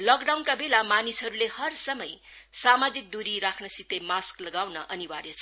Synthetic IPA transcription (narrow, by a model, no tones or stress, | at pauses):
lʌkɖawnkabelamanisɦʌɾulehʌrsʌmʌj | samad͡zik̚d̪uɾiɾakʰnʌsit̪ejmasklʌɡawnʌʔʌniwaɾjet͡sʰʌ